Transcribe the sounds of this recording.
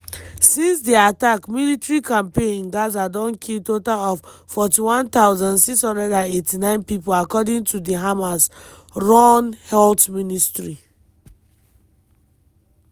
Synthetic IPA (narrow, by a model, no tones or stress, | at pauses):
sĩnsdiatakmilitɹikãmpẽĩnɡazadɔ̃nkʰiltotalɔffɔtiwɔ̃nt̪aʊzãnsikshɔ̃ndɛdãnetinãɪ̃npipolakɔdĩŋtudiɦamas | ɹɔnhɛltministɹi